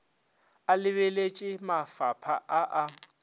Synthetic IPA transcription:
alɪβɛlet͡ʃʼɪmafapʰaʔaʔa

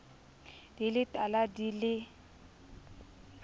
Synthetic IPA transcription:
d̥ilɪtʼaladilɪ

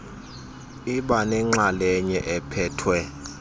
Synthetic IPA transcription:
iɓanɛŋ͡ǁalɛɲɛʔɛpʰɛːtʰwɛ

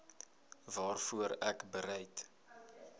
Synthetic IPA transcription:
vɑːrfuəɾækbəɾɛjt

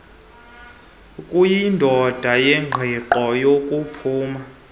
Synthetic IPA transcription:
kʼujindʱɔd̥ʱajɛŋ͡ǃʱɛǃɔjokʼupʰuːma

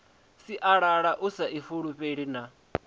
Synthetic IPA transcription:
siʔaɺaɺaʔusaʔifuɺuɸeɺina

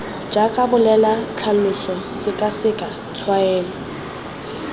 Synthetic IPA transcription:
d͡ʒakʼabʊlɛlat͡ɬʰalʊsɔsɪkʼasɪkʼa | t͡sʰwaɛːlɔ

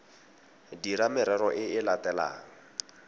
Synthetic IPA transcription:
diɾamɪɾɛɾɔʔɪɪlatɛla̰ːŋ̩

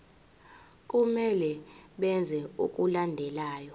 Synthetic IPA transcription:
kʼumɛlɛɓɛnd͡zʱɛṵkʼulandʱɛlaːjɔ

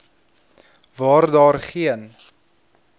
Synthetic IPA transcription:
vɑːrdɑːrχiən

